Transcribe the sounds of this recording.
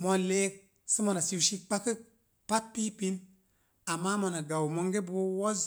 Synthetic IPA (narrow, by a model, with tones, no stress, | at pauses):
mo˨le˦k̚ | sɨ˦mo˨na˨si˧wʃi˦k̚k͡pa˦kɨ˦k̚ | pa˦t̚pi˦pi˦n | a˨mːa˦mo˨na˨ɡa˨wmo˦ŋɡe˦bo˦wo˦z